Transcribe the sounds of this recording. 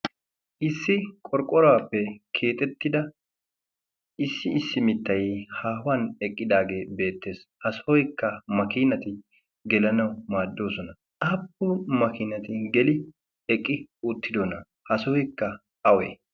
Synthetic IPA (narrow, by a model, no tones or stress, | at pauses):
ʔɪsːɪkʼɔɾkʼɔɾɐwaːpːɛkʰe̞ːt̪ʼɛt̪ːɪd̪ɐ | ʔɪsːɪɪsːɪmɪt̪ːɐjhaːwɐnɛkʼːɪd̪aːɡe̞ːbe̞ːt̪ːe̞ːshɐsɔɔjkːɐmɐkɪnɐt̪ɪ | ɡɛlɐnɐwmaːd̪ːo̞ːsɔnɐ | ʔap̚ːɔmɐkɪnɐt̪ɪɡɛlɪ | ɛkʼːɪʊt̪ːɪd̪onɐ | hɐsɔɔjkːɐ | ɐwḛː